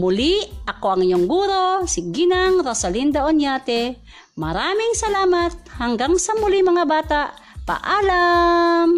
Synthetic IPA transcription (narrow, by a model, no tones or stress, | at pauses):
mʊliɐkoʔɐŋɪɲoŋɡuːɾosiɡinaŋɾosɐlind̪aʔonjaːt̪ɛ | mɐɾaːmɪŋsɐlaːmat̪̚haŋɡaŋsɐmʊlimɐŋabaːt̪aʔ | pa̰ʔaːlam